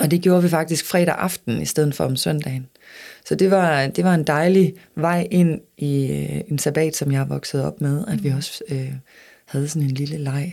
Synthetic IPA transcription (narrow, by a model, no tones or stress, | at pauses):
ɒ̽d̥e̝ɡ̥jo̝ːɐʋifɑ̈ɡ̥̚d̥isɡ̥fʁɛ̰ːɾ̥æʔɑ̈fd̥n̩isd̥eð̞̰ˠn̩fɒ̽ɒmsœn̰d̥ɛːn | sɒ̽d̥e̝ʋɑ̈d̥e̝ʋɑ̈e̝nd̥ɑ̈ɪliʋɑ̈ɪ̰ʔe̝n̰iøe̝nsæb̥ɛ̰ːd̥sɒ̽mjɑ̈ɪʋɒ̽ɡ̥səð̞̩ˠɒ̽b̥með̞ˠæd̥ʋiɒ̽sø | hæð̞ˠsɒ̽ne̝nliləlɑ̈ɪ̰